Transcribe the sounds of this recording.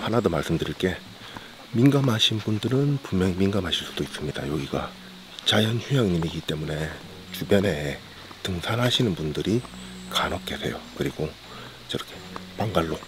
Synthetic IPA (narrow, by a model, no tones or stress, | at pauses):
hanadomaɭs͈ɯmdɯɾiɭk͈e̞ | minɡamɦaɕʰinbundɯɾɯnpummjʌŋiminɡamɦaɕʰiɭs͈u̥d̥ois͈ɯmɲida̰joɡiɡa̰ | t͡ɕajʌnçujaŋɲimiɡit͈e̞mune̞ | t͡ɕubjʌne̞ | tɯŋsʰanɦaɕʰinɯnbundɯɾi | kanʌk̚k͈e̞sʰe̞̰jokɯɾiɡ̥o | t͡ɕʌɾʌkʰe̥paŋɡaɭːo